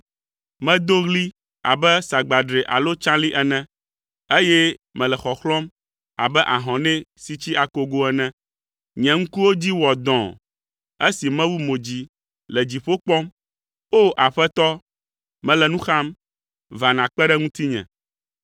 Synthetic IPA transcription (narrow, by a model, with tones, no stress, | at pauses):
mɛ̃˦d̪o˦ɣli˦ | a̰˨bɛ˦sa˨ɡ͡ba˨ɖɾe˨ʔa̰˨lo˦t͡ʃã˦li˦ʔɛ˦nɛ̃˦ | e˦jɛ˦mɛ̃˨lɛ˨xɔ˨xlɔ̃˦m | a̰˨bɛ˦ʔa˨ɦɔ̃˨nɛ̃˦si˦t͡ɕi˦a˨ko˦ɡo˦ɛ˦nɛ̃˦ | ɲɛ̃˨ŋ̩̃˦ku˦wo˦d͡ʑi˦wɔ˨d̪ɔ̃˨ | e˦si˨mɛ̃˦wu˦mo˨d͡ʑi˨ | lɛ˨d͡ʑi˨ɸo˦k͡pɔ˦m | o˦ʔa˨ɸɛ˦t̪ɔ˦ | mɛ̃˨lɛ˨nũ˦xa˦m | va˨nã˨k͡pɛ˦ɖɛ˦ŋũ˦t̪i˦ɲɛ̰̃˨